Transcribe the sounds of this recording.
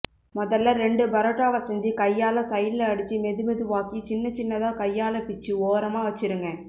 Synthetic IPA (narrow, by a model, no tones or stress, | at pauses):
mɔðɐlːɐɾɛɳɖɯbɐɾɐʈːaːʋɐsɐɲd͡ʒikɐjːaːlɐ̃sɐjɪlːɐɐɽɯt͡ʃːimɛðɯmɛðɯʋaːkit͡ʃɪnːɐt͡ʃɪnːɐðãːkɐjːaːlɐpɪt͡ʃːɯoːɾɐmaːʋɐt͡ʃːɪɾɯŋɡɐ